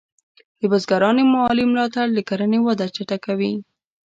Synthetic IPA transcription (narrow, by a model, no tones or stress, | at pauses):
d̪əbazɡaɾɑnemʊɑlimlɑt̪aɽd̪əkaɾənewad̪at͡ʃaʈakawi